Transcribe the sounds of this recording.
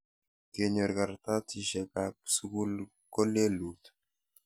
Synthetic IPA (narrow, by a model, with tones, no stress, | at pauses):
ke˨ɲo˨ɾka˨ɾt̪a˦ti˦ʃɛ˨ka˨su˦ku˦l | ko˦le˦lu˨t̪